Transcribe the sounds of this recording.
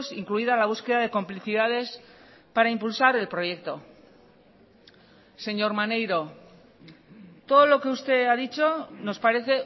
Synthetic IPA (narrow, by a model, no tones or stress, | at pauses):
siŋkluiðalaβ̞uske̞ðaðe̞ko̞mpliθiðað̞e̞spaɾaimpulsaɾe̞lpɾo̞jek̚t̪o̞ | se̞ɲo̞ɾmane̞jɾo̞ | t̪o̞ð̞o̞lo̞ke̞ust̪e̞aðit͡ʃo̞no̞spaɾe̞θe̞